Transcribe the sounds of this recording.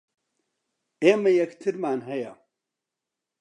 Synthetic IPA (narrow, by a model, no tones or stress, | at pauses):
eːmɐjɐkt̪ʰɨɾmaːnɦɐja̰